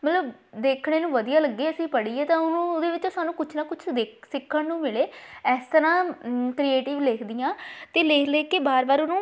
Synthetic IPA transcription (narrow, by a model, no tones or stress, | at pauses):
mət̪ləbd̪eːkʰɽeːnũːʋəd̪ijaːləɡːeːəsĩːpəɽiːeːt̪ãːʊnũːd̪eːʋɪt͡ʃoːsaːnũːkʊt͡ʃʰnaːkʊt͡ʃʰd̪eːksɪkʰːəɳnũːmɪleːɛːst̪əɾãːkɾieːʈɪʋleːkʰd̪ɪjãːt̪eːleːkʰleːkeːbaːɾbaːɾʊnũː